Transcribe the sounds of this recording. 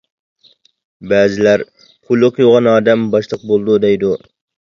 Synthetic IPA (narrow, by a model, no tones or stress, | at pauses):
bæːzɪlæɾ | pʰʊlˠːɨqjoʁɑnɑːd̪ɛmbɑʃlˠəq̚bolˠd̪ud̪ɛjd̪u